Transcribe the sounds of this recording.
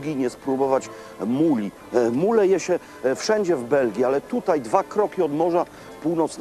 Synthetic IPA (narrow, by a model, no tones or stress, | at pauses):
ɡʲiɲɛspɾubɔvat͡ɕ | mulʲi | mulɛjɛɕɛ | fʂɛɲd͡ʑɛvbɛlɡʲialɛt̪ut̪ajd̪vakɾɔkʲiɔd̪mɔʐa | puwnɔt̪sn